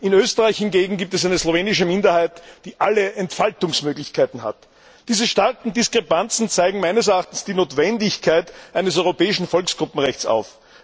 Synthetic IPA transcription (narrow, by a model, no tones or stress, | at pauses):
ʔɪnøːstəʁaɪçhɪnɡeːɡŋ̩ɡiːp̚tɛsæɪnəz̥loveːnɪʃəmɪndɐhaɪtd̥iːʔaləʔɛntfaltʊŋsmøːɡlɪçkʰaɪtn̩ha̰t | d̥iːzəʃtaɐkŋ̩dɪskʁ̥epant͡sn̩t͡saɪɡŋ̩maɪnəsɛɐaχtn̩sd̥iːnoːtv̥ɛndɪçkʰaɪtʔæɪnəsɔʏʁopɛːɪʃn̩fɔlksɡ̥ʁʊpm̩ʁɛçt͡sa̰ʊf